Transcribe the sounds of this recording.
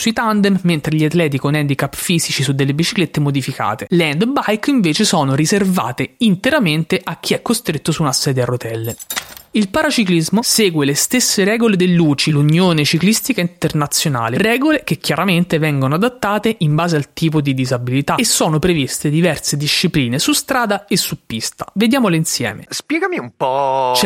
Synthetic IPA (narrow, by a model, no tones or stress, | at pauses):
suit̪and̪ɛmment̪ɾeʎiat̪lɛːt̪̬ikonɛnd̪ikapːfiːzit͡ʃisud̪ːelːebit͡ʃiklet̪ːemod̪ifika̰ːt̪elɛnd̪bajkiɱveːt͡ʃesoːnoɾizerva̰ːt̪eint̪eɾament̪eʔak̟ːiɛkːost̪ɾet̪ːosuunasɛːd̪arot̪ɛlːeilpaɾat͡ʃiklizmoseːɡwelest̪esːeɾɛːɡoled̪elːuːt͡ʃilunjoːnet͡ʃiklist̪ikaint̪ernat̪sːjona̰ːlerɛːɡolek̟ekjaɾament̪evɛŋɡonoad̪at̪ːaːt̪eʔimbaːzealt̪iːp̬od̪id̪izabilit̪aesːoːnopɾevist̪ed̪ivɛrsed̪iʃːipliːnesust̪ɾaːd̪aesːupːist̪ḁved̪jaːmoleinsjɛ̰ːmḛspjɛːɡamiumpɔt͡ʃɛ